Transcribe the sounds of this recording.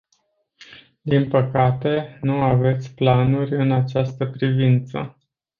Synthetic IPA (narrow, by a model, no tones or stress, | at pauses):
d̪inpəkat̪e̞nuave̞t̪sʲplanurʲɨnat͡ʃast̪əpɾivint̪sə̰